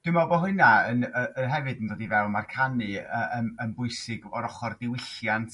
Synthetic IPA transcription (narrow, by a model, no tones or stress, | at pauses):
d̥ɪmabɔɦʊnaənəəɦɛvɨdəndoːdivɛwˠmarkʰanɨəənənbʊɨsɪɡɔɾɔχɔrdɪwɪɬjantʰ